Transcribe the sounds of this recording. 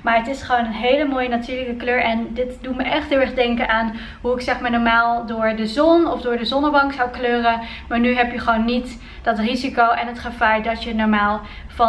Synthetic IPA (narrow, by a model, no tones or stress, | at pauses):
maːɹətɪsχʋownənɦejləmoːjənatyːɹləkəkløːɹɛndɪtdutməʔɛχtɦɪːlˠɛχdɛŋkənʔaːn | ɦuɪksɛχmaːɹnɔːɹmaːlˠdʊːɹdəzɔnɔfdʊːɹdəzɔnəbɑŋksawkløːrə | maːɹnyɦɛpjəχəʋownːit | d̥ɑtrizikowʔɛnətχəfɛjdɑənɔɹmaːlˠ | vɑ